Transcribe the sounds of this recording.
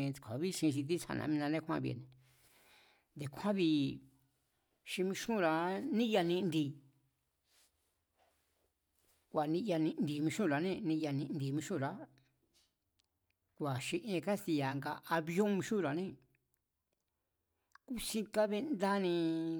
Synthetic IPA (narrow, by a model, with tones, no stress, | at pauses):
kʰʷa̰˨βi˦ʃĩ˧ʃ̬i˧t̪̬i˦t͡sa̰˧˨nʔã̰˧mĩ˧nã˧nẽ˦kʰʷã̰˦βḭ˧ḛ˨nẽ˨ | nd̪e˨˧kʷʰã˦βi˧ | ʃĩ˧mĩ˧ʃũ˦˨ɾa˨nĩ˦ja˧nĩ˧nd̪i˧˨ | kʷa˨nĩ˧ja˧nĩ˧nd̪i˧mĩ˧ʃũ˦˨ɾa˨nẽ˦nĩ˧ja˧nĩ˧ʔnd̪i˧˨mĩ˧ʃũ˦˨ɾa˨˦ | kʷa˨ʃi˧ʔẽ˧ka˦ti˧ja˨˧ŋɡa˧a˧βjõ˦mĩ˧ʃũ˦ɾa˨nẽ˦ | ku˦sĩ˧ka˦βe˦nd̪a˦nĩ˧